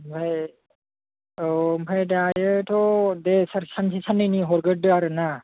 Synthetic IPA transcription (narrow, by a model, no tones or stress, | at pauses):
mpʰaj | ompʰajdajɯtʰɔdesaɾsansʰisanːɯjniɦɔɾɡɯdɯaɾɯna